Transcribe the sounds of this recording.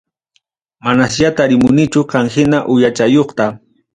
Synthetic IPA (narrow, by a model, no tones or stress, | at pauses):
manasʎat̪aɾɪmʊnɪt͡ʃʊqɑŋxɪnaʔʊjat͡ʃajoχt̪a